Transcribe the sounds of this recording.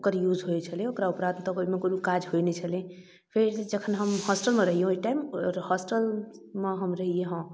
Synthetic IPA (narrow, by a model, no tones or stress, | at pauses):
okəɾjud͡ʒɦoet͡ʃʰəlẽokɾaupɾad̪ʱt̪ɔkoimekoiikad͡ʒɦojnet͡ʃʰəlẽ | pʰeɾd͡ʒəkʰənɦəmhɔsʈəlmeɾəɦijẽoiʈaɪmɔɾhɔsʈəlmeɦəmɾəɦijeɦɔ̃